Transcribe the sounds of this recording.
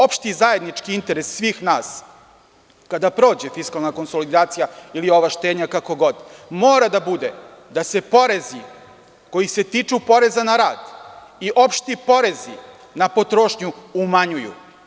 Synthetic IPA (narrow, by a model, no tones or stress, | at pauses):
o̞pʃt̪izaje̞d̪nit͡ʃkiint̪e̞ɾesːʋiːxnaːs | kad̪apɾo̞ːd͡ʑe̞fiskalˠnako̞nso̞lid̪aːt̪sijailio̞ʋaʃt̪e̞ːd̪ɲakako̞ɡo̞d̪moːɾad̪abud̪e | d̪ase̞po̞ɾe̞zi | ko̞jise̞t̪iːt͡ʂupo̞ɾe̞zanaɾaːd̪iʔo̞pʃt̪ipo̞ɾe̞zḭ | napo̞t̪ɾo̞ːʃɲuːmaɲujṵ